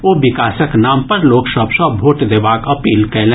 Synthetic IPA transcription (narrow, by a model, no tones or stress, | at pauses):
ʋoːʋɪkaːsəknaːmpɐɾloːksəpsɔbʱoːʈd̪eːbaːkɐpiːlkɛːlẽ